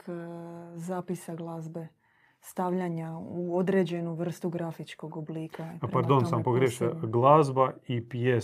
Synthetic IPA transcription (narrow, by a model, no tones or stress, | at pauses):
k | zaːpisaɡlˠaːzbe | st̪aʋʎaɲauod̪ɾe̞d͡ʑe̞nuʋr̩st̪uɡɾafit͡ʃko̞ɡobliːkʰapɾpaɾd̪onsampoɡɾjeʃɡlˠazbaipje